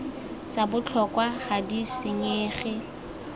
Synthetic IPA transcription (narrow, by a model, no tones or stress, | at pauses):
t͡sabʊt͡ɬʰɔkwaχadisɪɲeːχɪ